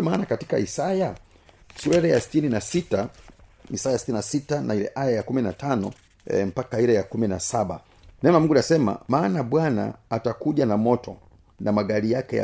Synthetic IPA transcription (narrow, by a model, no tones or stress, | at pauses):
ɔmaːnakati̥ka̰isaja | suɾɛɾɛjasi̥tininasita | isajasi̥tininasitanailɛ̰ʔajajakuminatanɔ | ɛm̩pakaiɾɛjakuminasaɓa̰ | nɛmamuŋɡunasɛma̰maːnaɓwana̰ːtakuʄanamɔtɔ | namaɡaɾijakɛa̰